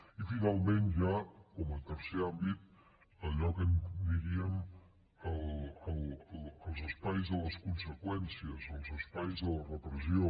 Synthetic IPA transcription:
ifinalˠmẽnʒakoməlˠt̪əɾseambit̪̚ | əʎɔkənd̪iɾiəm | əəlləlˠzəspajzðələskunsəkwɛnsiəzəlˠzəspajzðələrəpɾəzjo

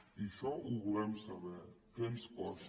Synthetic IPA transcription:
iʃɔʔuβulɛmsaβɛkenskɔs

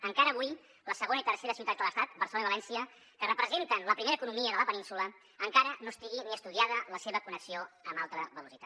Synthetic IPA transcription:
əŋkaɾəːβuj | ləsəɣonəit̪ərseɾəsiut̪ad͡zd̪ələst̪at̪̚bərsəloniβəlɛnsiə | kərəpɾəzent̪ənləpɾimeɾəːkunumiəðələpəninsulə | əŋkaɾənost̪iɣiniəst̪uð̞iaðələseβəkunəksioəmbalˠt̪ɾəβəlusit̪at̪

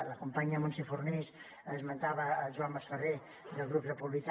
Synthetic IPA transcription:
ləkumpaɲəmonsefurnis | əzmənt̪aβəːʒuamːəsfəre | d̪əlˠɣɾuprəpuβlik

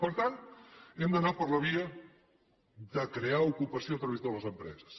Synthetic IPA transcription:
pəɾt̪ant̪ɛmd̪ənapəɾləβ̞iə | ðəkɾeaukupəsjot̪ɾəβizðoləzəmpɾɛ̰zə̥s

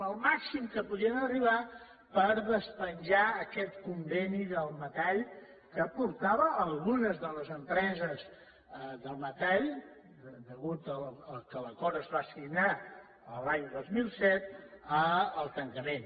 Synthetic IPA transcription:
əlˠmaksimkəpuðiənəriβ̞a | pəɾðəspənʲʒaəkɛt̪kumbɛniðəlˠmət̪aʎ | kəpuɾt̪aβəʔːlˠɣunəzðələzəmpɾɛzəz | ðəlˠmət̪aʎ | d̪əɣut̪ələlˠkələkɔɾəːzβasiɡna | əlaɲd̪ozmilˠsɛt̪̚əəlˠt̪əŋkəmen

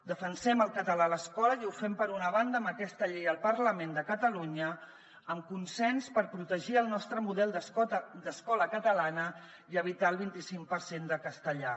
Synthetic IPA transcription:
d̪əfənsɛməlˠkət̪əlaləskɔləiufɛmpəɾunəβand̪əməkɛst̪əʎejəlˠpərləmend̪əkət̪əluɲə | əmkunsɛnspəɾpɾut̪əʒiəlˠnɔst̪ɾəmuðɛlˠd̪əd̪əskɔləkət̪əlanə | iəβit̪aəlˠβint̪isiŋk̚pəɾsend̪əkəst̪əʎa

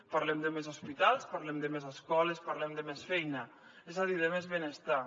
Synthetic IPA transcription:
paɾlɛmd̪əmezospit̪alˠspaɾlɛmd̪əmezəskɔlespaɾlɛmd̪əmesfɛjnə | ɛzaðiðəmezβenest̪a

